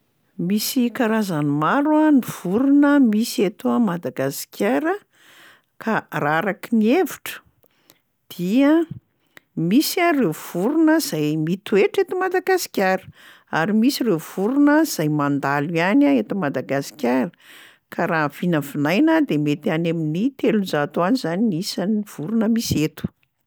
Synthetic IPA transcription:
misikaɾazanimaɾuaniv̥uɾunəmiset̪oamad̪aɡasi̥kʲʰaɾə | kʰaraɾakinieviʈ͡ʂə̥ | d̪̥iə | misarewv̥uɾunəz̥ajmit̪ueʈ͡ʂet̪umad̪aɡasi̥kʲaɾə̥ | a̰ɾimisirev̥uɾunəz̥ajmand̪alujanaet̪umad̪aɡasi̥kʲaɾə | kʰaɾaːv̥inəvinajnəd̪emet̪eaneminit̪elunzat̪oanizaninisanv̥uɾunəmiset̪u̥

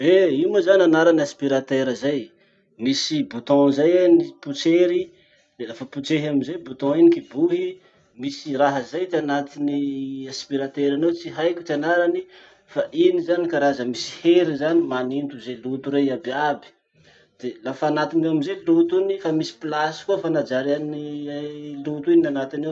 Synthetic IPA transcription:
weiməzananaɾaniaspiɾat̪eɾəzaj | misibut̪ɔ̃zajaniput͡seɾi | d̪elafəput͡seɦaminzejbut̪ɔ̃inikibuɦi | misiraɦəzajt̪ianat̪iniaspiɾat̪eɾanowt͡siɦajkʲu̥t͡ʃianaɾani | faʔinizanikaɾazəmisi̥heɾizanimanint̪uzelut̪uɾeababi̥ | d̪̥elafaanat̪inaminzelut̪unifamisi̥plasi̥kuəfanad͡ʒaɾani | lut̪uinanat̪ine

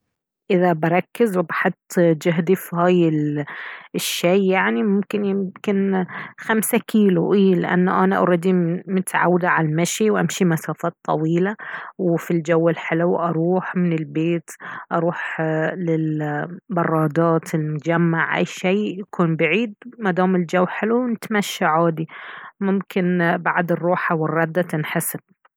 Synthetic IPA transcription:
ʔɪðabɑɾˤɑkːɪzwɪbaħʊt̪ˤːd͡ʒʊɦd̪ifhaːjɪl | ʃːeːaʕnimʊmkɪnjɪmkɪnxamsakʰiːluʔiːlɪ̰ʔa̰nːaʔanaʔɑ̰ɾˤɑd̪imɪt̪ʕa̰wd̪aʕalmaʃiwʔamʃimasaːfɑːt̪ˤːɑ̰wiːlawfild͡ʒawːɪlħɪlwʔɑɾˤuːħmɪnɪlbeːt̪ʔɑɾˤuːħlɪlbɑrˤːɑːd̪ɑːt̪ʰɪlmʊd͡ʒamːaʕʔa̰jːʃeːjakʰuːnbɪʕiːd̪̚mad̪aːmɪld͡ʒawːħɪluwnɪt̪maʃːaʕaːd̪imʊmkɪnbaʕd̪ɨrˤːuːħawɪrˤːɑd̪ːat̪ɪnħɪsɪb̥̚

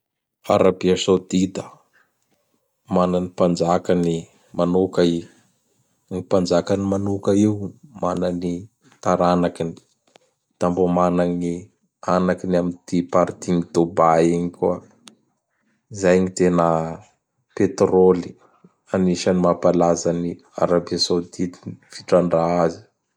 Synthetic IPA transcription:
a̰ɾabiasod̪id̪ə | mananipand͡ʒakani | manukai | ŋipand͡ʒakanimanukəiwumanani | t̪aɾanakini̥ | t̪ambomanaŋi | anakinamind̪̥ipaɾt̪iŋid̪obaiɲikuə | izajɲit̪enə | pet̪roli | aniʃanimapalazani | a̰ɾabiasod̪it̪infiʈ͡ʂaɳɖ͡ʐaazi̥

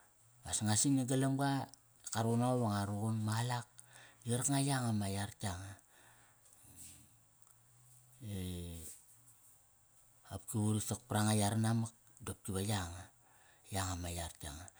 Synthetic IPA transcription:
basŋasiniɡalamɡa | kaɾonaoβaŋaɾuɡunmalak̚jiɾakŋajaŋamajaɾtiaŋa | e | apkiβuɾisak̚pɾaŋajaɾanamak̚ | dop̚kiβajaŋa | jaŋamajaɾtia̰ŋa

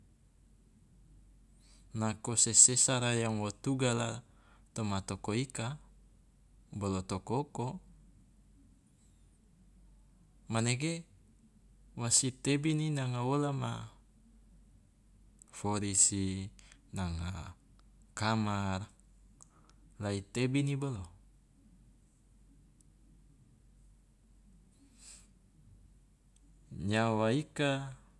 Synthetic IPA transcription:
nakosesesaɾajaŋwot̪uɡala | t̪omat̪okoika | bolot̪okoko | maneɡe | wasit̪ebininaŋaolama̰ | foɾisinaŋa̰ | kamar | lait̪ebinibolo | ɲawaika

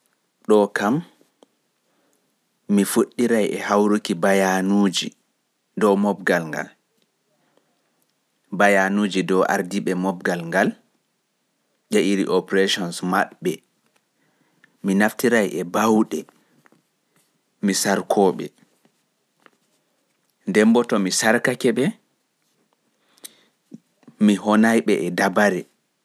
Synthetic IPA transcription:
ɗɔkam | ifoɗːiɾajʔɛhawɾukibajanuːd͡ʒḭ | dɔwmɔbɡalŋɡa̰l | bajanuːd͡ʒidɔʔa̰ɾdiɓɛmɔb̚ɡalŋɡal | ʄaʔiɾḭʔɔpɾeʃɔnsmaɓːɛ | minaftiɾajʔɛbawɗɛ | misaɾkʰɔːɓɛ̰ | ndɛmbɔtɔmisaɾkakɛɓɛ | miɦɔnajɓɛʔɛdabaɾɛ

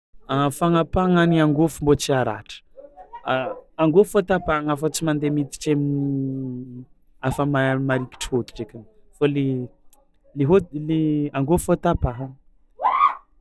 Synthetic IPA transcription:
afaŋapaŋaniaŋɡofumbot͡siaɾa̰ʈ͡ʂə̥aaŋɡofot̪apaŋafət͡simand̪emit̪i̥ʈ͡ʂemini | afəmamaɾiki̥ʈ͡ʂəhot̪i̥ʈ͡ʂekʲan | fale | leɦoleaŋɡofot̪apaɦaŋ

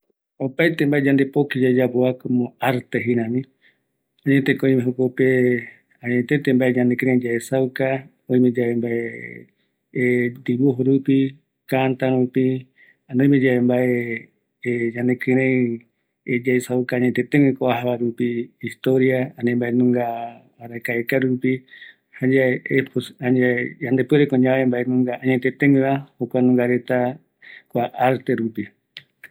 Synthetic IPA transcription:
opajt̪embaʔed͡ʒand̪epokid͡ʒad͡ʒapoakomõaɾt̪eɦinãmĩ | ãɲet̪ekoĩmẽɦukope | aɲet̪et̪embaeɲãnekɨɾẽd͡ʒaesawka | õĩmẽd͡ʒaembae | d̪iβuɦuɾupi | kant̪aɾũpi | anõj̃mẽd͡ʒaembae | d͡ʒãnd̪ekɨ̃ɾẽ | ed͡ʒajsaukaːɲet̪et̪ẽŋwikoaɦaβaɾupiːst̪oɾiaanẽmbaenũŋɡa | aɾakaekaɾupi | had͡ʒaeeposaɲaejand̪epueɾekoɲãaembaenũŋɡaaɲet̪et̪ẽŋĩβahokʷanũŋɡaɾe̞t̪a | kʷaʔaɾt̪eɾupi

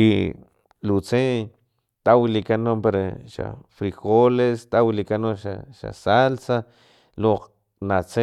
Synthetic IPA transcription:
i | lut͡se | t̪awilikanompeɾeʃa̰fɾixolest̪awlikanoʃaʃa̰salsa | loq | nat͡se

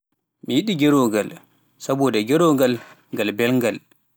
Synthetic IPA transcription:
mijiɗiɡɛɾɔɡal | sabɔdɛɡɛɾɔɡal | ŋɡalbɛlŋɡal

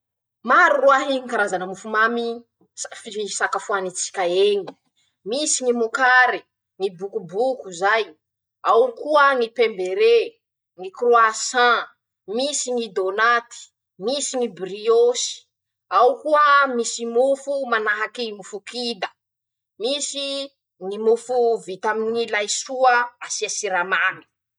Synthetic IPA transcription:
maɾuruaɦiŋikaɾazanəmufumami | afiisakafuanit͡si̥kʲaeɲi | misiŋimukaɾi | ŋibukubukuzaj | awkuəŋipembeɾe | ŋikroasã | misiŋid̪onat̪i̥ | misiŋibriosi̥ | awkuəmisimufumanaɦakimufukid̪ə | misi | ŋimufuvit̪aminilajsuəasiasiɾamani̥

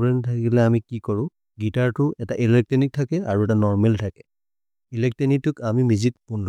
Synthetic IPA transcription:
ɹɛntʰakilɛamikikɔɹʊ̃ | ɡitaɹtʊɛtaʔilɛk̚tɔnik̚tʰakɛaɹuɛtanɔɹmɛltʰakɛ̥ | ilɛk̚tɔnik̚tːʊkamimizik̚pundɔ

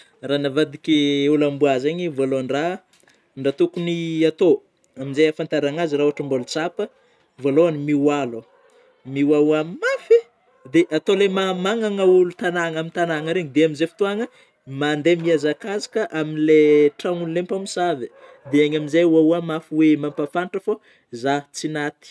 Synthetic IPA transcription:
ranavad̪ikʲiulambuazaɲivoloɳɖ͡ʐa | ɳɖ͡ʐat̪ukuniat̪o | aminzajafant̪aɾaŋaziɾauaʈ͡ʂəmbolt͡sapə | voloanimiwalo | miwauammafi | d̪eʔat̪olemamaŋaŋəulut̪anaŋamint̪anaŋəɾeɲid̪eaminzefi̥t̪uaŋə | mand̪emiazakazḁkəʔaminleʈ͡ʂaŋunlempamisavə | d̪eaɲaminzajuauamafiwemampafanʈ͡ʂəfo | zat͡sinat̪i̥

